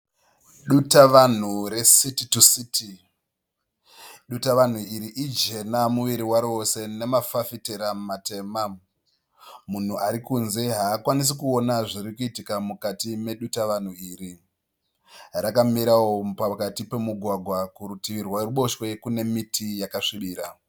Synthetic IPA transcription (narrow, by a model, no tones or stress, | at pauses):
ɗutaʋan̤uɾe̞sititusitʰi | ɗutaʋan̤uiɾiʔid͡ʒe̞namuʋiɾiwaɾiose̞ne̞mafafiteɾammate̞ːma | mun̤uaɾikunze̞ɦaːkwanis̬ikuo̞naʐiɾikuitikamukatime̞ɗutaʋan̤uiːɾi | rakamiɾawo̞pakatipe̞muɡʱwaɡʱwakuɾutiʋirwaɾuɓo̞ʃwekune̞mitʰijakaʂiɓiːɾa